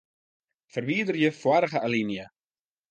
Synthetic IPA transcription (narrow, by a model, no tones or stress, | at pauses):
fərviːdərjəfwaɾəχəʔalinjə